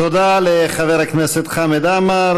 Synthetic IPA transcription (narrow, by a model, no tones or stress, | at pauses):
t̪od̪aleχaveɾakneset̪χamed̪amaɾ